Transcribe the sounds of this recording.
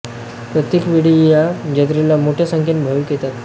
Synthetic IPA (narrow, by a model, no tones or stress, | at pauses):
pɾət̪jekʋiɽijad͡ʑət̪ɾelamoʈʰjasəŋkʰenbʱəʋiːkjet̪at̪